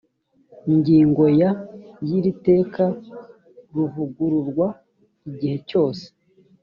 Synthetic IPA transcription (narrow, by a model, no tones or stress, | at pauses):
iɲɟiːŋɡo̞jajiɾite̞ːka | ɾuvuɡuɾuɾɡwa | iɟihe̞co̞ːse̥